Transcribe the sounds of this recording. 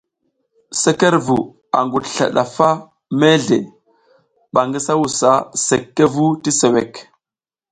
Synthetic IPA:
se˦ke˦ɾvu˨ | a̰˨ŋɡu˨dɬa̰˨ɗa̰˨fa˦ | me˦ɮe˨ | ɓa˨ŋɡi˦sa˦wu˨sa˦se˨kːe˦vu˦ti˦se˨we˨k

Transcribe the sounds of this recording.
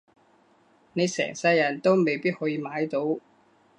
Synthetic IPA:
ne˨˧jsɛ̰ː˨˩ŋsɐ˧jːɐ˨˩nt̪o˥wme˨jpiː˥t̚hɔː˨˥jiː˧maː˨˥jt̪o˨˥w

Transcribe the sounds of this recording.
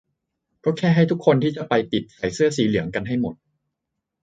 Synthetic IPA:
kɔː˥˩kʰɛː˥˩ɦa˥˩jt̪ʰu˦˥kʰːo˧nt̪ʰiː˥˩t͡ɕa˨˩pa˧jp̪i˨˩t̪̚sa˨˩˦jsɯ˥˩ɐəsiː˨˦lɯ˩˦əŋka˧nɦa˥˩jmo˨˩t̪̚

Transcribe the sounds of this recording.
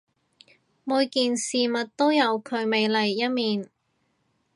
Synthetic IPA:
muː˨˧jkiː˨nsiː˨mɐ˨t̚t̪o˥wjɐ˨˧wkʰɵ˨˧ɥme˨˧jlɐ˨˩jːɐ˥t̚miː˨n

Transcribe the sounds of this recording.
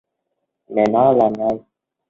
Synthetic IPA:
mɛ˨na˦la˨na˦

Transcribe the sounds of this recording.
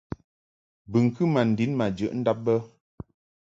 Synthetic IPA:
bɨ˨ŋ̩˨kɨ˦ma˨n̩˨di˨˦nma˨d͡ʒə̰˨ʔn̩˦da˦p̚bə˦

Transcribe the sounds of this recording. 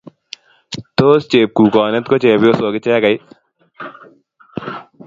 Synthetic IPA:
t̪oːst͡ʃeː˨p̚kuː˨kɔː˨nɛt̪kot͡ʃeː˨pjo˦soː˨ɡɪt͡ʃɛː˦kɐ˨j

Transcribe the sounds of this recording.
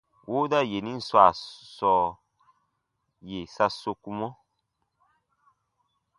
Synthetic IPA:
wʔoː˦da˦je˨nĩ˦n̩˦swa˨sɔː˨˦˨ | je˨sa˧so˧ku˦mɔ̃˦

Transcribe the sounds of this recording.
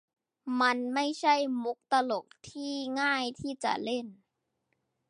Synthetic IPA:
ma˧nma˥˩jt͡ɕʰa˥˩jmu˦˥k̚t̪a˧lo˨˩k̚t̪ʰiː˥˩ŋaː˥˩jt̪ʰiː˥˩t͡ɕa̰˨˩le˥˩n

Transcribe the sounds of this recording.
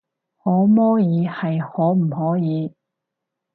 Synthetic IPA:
hɔː˨˥mɔː˥jiː˨˧hɐ˨jhɔː˨˥m̩˨˩hɔː˨˥jiː˨˧˦

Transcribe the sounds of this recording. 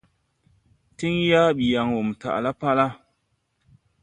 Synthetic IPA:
ti˦ŋja˦ɓi˨ja˨ŋwo˨m˨ta̰˨ʔla˦pa˦la˦

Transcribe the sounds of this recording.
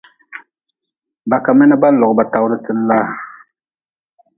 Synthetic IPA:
ba˨ka˨mɛ˦nɨ˦ba˦lɔ˨ɡba˨ta˨wʊ˦ɾɨ˦tɨ˦n˦la˦

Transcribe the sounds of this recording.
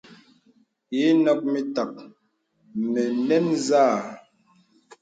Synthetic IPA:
i˨˦nɔ˦k̚mi˦ta˨k̚ | mɛ˨nɛ˦nzaː˦˨

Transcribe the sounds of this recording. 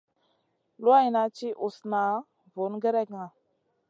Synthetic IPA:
lu˦a˦jna˨t͡ʃi˦ʔu˨sna˨˦ | vo˨˦nɡə˦ɾe˦kŋa˨

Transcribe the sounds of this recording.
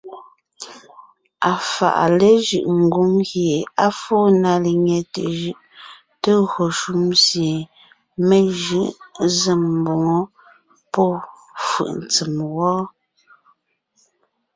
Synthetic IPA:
a˨fa̰˨ʔle˦ʒɯ˨ʔŋ̩˨ɡu˨˦ŋɣje˨a˦foː˦na˨le˨ɲe˨te˨ʒɯ˦ʔ | te˦ɣo˨ʃu˦mzje˨ | me˦ʒɯ˦ʔze˨m̩˨bo˨ŋɔ˦ | pɔ˦ | fɯ̰˨ʔn˨t͡si˨mwɔː˦

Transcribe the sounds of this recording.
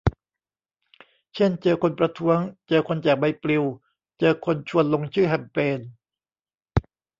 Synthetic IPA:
t͡ɕʰe˥˩nt͡ɕɤː˧kʰo˧npɾa˧t̪ʰu˦˥əŋt͡ɕɤː˧kʰo˧nt͡ɕɛː˨˩k̚ba˧jpɾi˧w | t͡ɕɤː˧kʰo˧nt͡ɕʰu˧ənlo˧ŋt͡ɕʰɯː˥˩ɦɛ˧˩mpeː˧n

